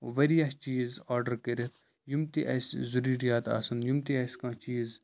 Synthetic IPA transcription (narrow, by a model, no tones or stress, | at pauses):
ʋɐɾijɐht͡ʃiːzaːɾɖəɾkɐɾet̪ | jumt̪iʔɐ̰sʲzuɾiːɾijaːt̪a̰ːsɐnjumt̪iɐsʲkãːt͡ʃiːz